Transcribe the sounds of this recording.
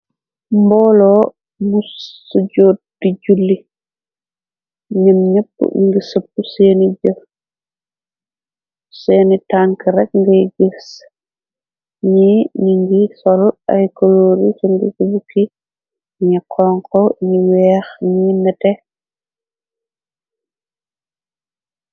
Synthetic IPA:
mbɔːlɔː | musuɟoːt̚d̥iɟulːi | ɲɐmɲəpːṵɲiŋɡisəpːuseːniɟɐ | seːnitaːŋkiɾɛk̚ŋɡɐjɡis | ɲiɲiŋɡisɔlʔɐ̰jkoloːɾisuŋɡḭsubuki | ɲikʰɔːŋkɔɲiwɛːxɲinɛtɛ

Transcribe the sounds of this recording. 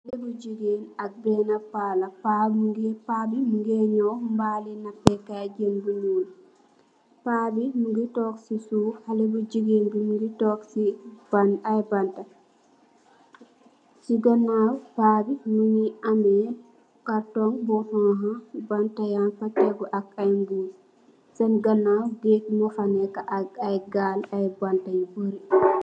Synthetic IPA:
halɛbud͡ʒiɡenak̚bɛnapalapabɡpabimuŋɡɛɲɔwmbaːlinapːɛkad͡ʒenbuluːl | pabimuŋɡitɔksisuhalɛbud͡ʒiɡeːnbimuɡitɔksibanajbanta | siɡanawpaːbinuniʔambɛɛ | kaɾtɔŋbɔhɔɦabantajanfatɛɡɔʔakajmɡuːl | sanɡanːawɡekimɔfanɛkaʔajɡaːlajbantaɲboɾi

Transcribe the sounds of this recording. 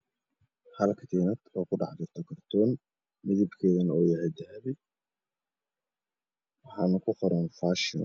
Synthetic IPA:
hɐlkʰɐ̥t̪ʰɛːnɐd̪ɔːkʊɖɑ̰ħd͡ʒɪrt̪ʰɔkɐrt̪ʰɔːn | mɪðɪbkʰeːðɐnoːjɐhɛd̪ɐhɛβɪ | wɑħaːnkʊqɔɾɐnfaːʃɪn

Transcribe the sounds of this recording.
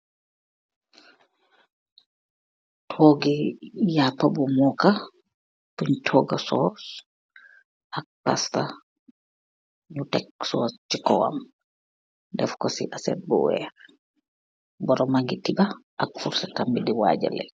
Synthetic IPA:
tʰɔːɡijapabɔmɔka | puɲtʰɔɡasɔs | ʔak̚pasta | ɲutɛksɔst͡ʃikɔwa̰m | dɛfkɔsiʔasɛ̰t̚bɔ̰wɛ̰ | bɔɾɔmaɡitibaʔakfuɾsakambidiwa̰ːd͡ʒɛ̰lɛ̰

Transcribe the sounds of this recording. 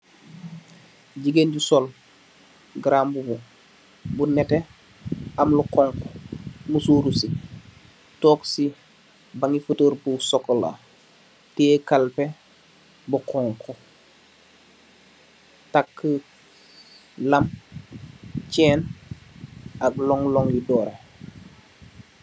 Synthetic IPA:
ɟiɡenɟusɔl | ɡɾambubu | bunɛte | amlukɔŋkɔmusuːɾusi | toːksi | baŋifətəɾbusɔkːola̰ | tɛːkalpe | bukʰɔŋkɔ | takːə | lam | t͡ʃɛːn | aɡ̚lɔŋlɔŋjidɔːɾe

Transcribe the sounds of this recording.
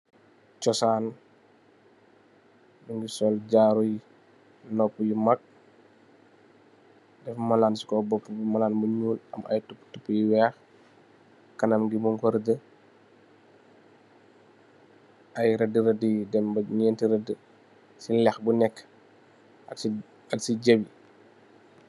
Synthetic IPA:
t͡ʃɔsaːn | buŋɡisɔlɟaːɾuj | nɔpːəjimɐk̚ | dɛfmɐlaːnsi̥kɔbɔpːəbimɐlaːnbuɲuːlɐmʔɐ̰jtupːtupːəjiwɛːx | kɐnɐmɡimɔŋkɔɾɐdə | ʔɐjɾɐdəɾɐdidɛmbɐɲɛntiɾɐdə | silɛxbunɛkː | ɐ | ɐksiɟɐbi

